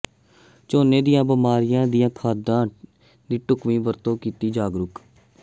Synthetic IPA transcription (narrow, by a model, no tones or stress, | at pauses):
t͡ʃoːneːd̪ɪjãːbəmaːɾɪjãːd̪ijãːkʰaːd̪ãː | d̪iːʈʊkʋĩːbəɾt̪õːkiːt̪iːd͡ʒaːɡɾʊk